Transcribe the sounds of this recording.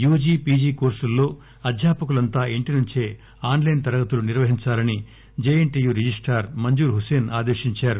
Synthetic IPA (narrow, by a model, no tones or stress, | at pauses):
juːd͡ʒiːpiːd͡ʒiːkoːɾsulːo̞ː | ɐd̪ʱjaːpɐkulɐnt̪aːeɳʈinuɲt͡ʃeː | aːnlɐjnt̪ɐɾɐɡɐt̪uluniɾʋɐɦiɲt͡ʃaːlɐni | d͡ʒeːjeɳʈiːjuːɾed͡ʒisʈaːɾmɐɲd͡ʒuːɾɦuse̞ːnaːd̪eːʂiɲt͡ʃaːɾu